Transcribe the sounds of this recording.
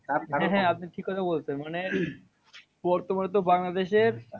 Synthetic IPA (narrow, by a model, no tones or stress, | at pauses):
aɦɛ̃ɦɛ̃apniʈʰikːɔt̪ʰabolt͡ɕʰenmane | bɔɾt̪omanet̪̬obaŋlad̪eʃeɾ